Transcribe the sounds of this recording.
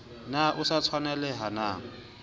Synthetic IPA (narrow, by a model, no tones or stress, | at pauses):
naʔʊsat͡sʰwanɛlɛɦanaːŋ̩